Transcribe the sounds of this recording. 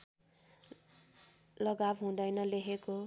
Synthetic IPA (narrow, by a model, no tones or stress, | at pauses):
lʌɡabɦũd̪ʌjnʌleɦeko